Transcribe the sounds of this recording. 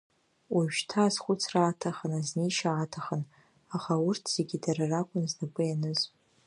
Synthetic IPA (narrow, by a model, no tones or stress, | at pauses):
wʔaʒtʰaːzχʷʊt͡sʰraːtʰaχənazneʃaːtʰaχən | aχaʊrtʰz̥eɡʲidararakʷʼʊnznakʷʼɨjanɨz